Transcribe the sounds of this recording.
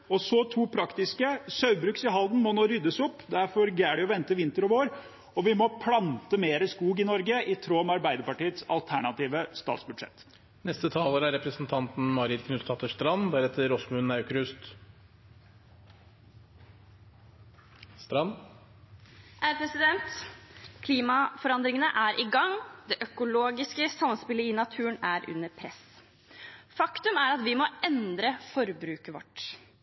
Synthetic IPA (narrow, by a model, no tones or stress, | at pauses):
ɔsɔt̪ʰuːpʰɾɑkt̪ɪskəsœʉbɾʉksɪɦɑld̪n̩mɔnoːɾʏd̪ːəsɔpːd̪æɾfɔɾɡæːɖɛɔʋɛnt̪əʋɪnt̪əɾɔʋoːɾ | ɔʋɪmɔpʰlɑnt̪əmeːɾəskuːɡɪnɔɾɡəʔɪt̪ʰɾoːmɛɑɾbæɪd̪əɾpɑʈiːət̪sɑlt̪ʰæɳɑt̪iːʋəst̪ɑ̰ːt̪sbʉd̪ʂɛ̰t̪ː | nɛst̪ət̪ʰɑːləɾæɾɛpɾəsn̩t̪ʰɑnt̪n̩mɑɾɪd̪kʰnʉst̪ʰɑt̪əʂt̪ɾɑnd̪æɾɛt̪ʰːəɾɔsmʉnːɑʉkɾʉst̪ | st̪ɾɑn | ʔæpʰɾɛsɪd̪ɛnt̪kʰliːmɑfɔɾɑnd̪ɾɪŋənəʔæɾʔɪɡɑŋd̪ɛʔœkʊloːɡɪskəsɑmːənspɪlːəɪnɑt̪ʰʉːənæɾʔʉ̰nːəɾpʰɾɛs | fɑkt̪ʉmæɾɑt̪ʋɪmɔɛnd̪ɾəfɔɾbɾʉːkəʋɔ̰ʈː